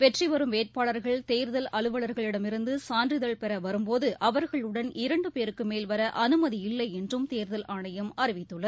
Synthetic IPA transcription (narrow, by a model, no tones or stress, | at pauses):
ʋɛʈriʋɐɾɯmeːʈ̚paːɭɐɾɣɐɭt̪eːɾðɐlɐɭɯʋɐɭɐɾɣɐɭɪɽɐmɪɾɯnd̪ɯsaːndrɪðɐɭpɛɾɐʋɐɾɯmpoːðɯʔɐʋɐɾɣɐɭɯɽɐnɪɾɐɳɖɯpeːɾɯkːɯmeːlʋɐɾɐʔɐnɯmɐðiɪlːɐjɛndrɯmt̪eːɾðɐlaːɳɐjɐmɐɾɪʋɪt̪ːɯɭːɐð